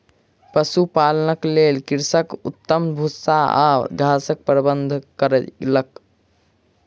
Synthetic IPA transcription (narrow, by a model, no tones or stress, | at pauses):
pəsupalənəklelkiɾsəkut̪ːəmbʱusaa̰d̪ʱasək̚pɾəbənd̪ʱkəɾələk